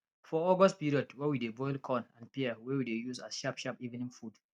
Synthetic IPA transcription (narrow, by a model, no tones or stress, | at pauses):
fɔɔɡɔst̚piɹiɔdwɛwidebɔɪlkʰɔ̃nãnpiəwɛwidejusa̰sʃapʃapivnĩnfud